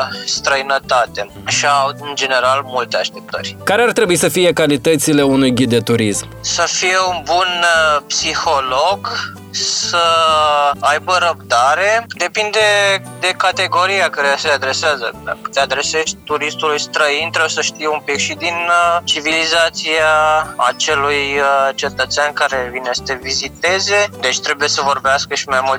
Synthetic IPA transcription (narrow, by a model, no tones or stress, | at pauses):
st̪ɾəinət̪at̪e | ʃiaaut̪ɨnd͡ʒe̞ne̞ɾalmult̪eaʃt̪e̞p̚t̪ə̰rʲkaɾeart̪ɾe̞buisəfije̞kalit̪ət̪sile̞unujɡʲid̪d̪e̞t̪uɾismsəfije̞unbunpsixo̞loɡ | sə | ajbəɾəb̚d̪aɾe̞d̪e̞pind̪e̞ | d̪e̞kat̪e̞ɡo̞ɾijakəɾesəead̪ɾe̞seazə̰d̪a̰kə̥t̪ead̪ɾe̞se̞ʃt̪̚ʲt̪uɾist̪ulujst̪ɾəint̪ɾebujesəʃt̪ijumpikʃid̪int͡ʃivilizat̪siaat͡ʃe̞lujt͡ʃe̞t̪ət̪seankaɾevinesə̥t̪evizit̪e̞ze̞d̪e̞t͡ʃʲt̪ɾe̞buje̞səvo̞rbeaskəʃimajmult̪